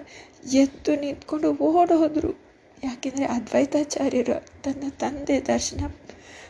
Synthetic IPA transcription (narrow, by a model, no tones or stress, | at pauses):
jet̪ːunint̪koɳɖuoːɽɦod̪ɾṵ | jaːkend̪ɐɾeʔɐd̪ʋɐjt̪aːt͡ʃaːɾjɐɾɐ̰t̪ɐnd̪ɐt̪ɐnd̪ed̪ɐɾʃinɐ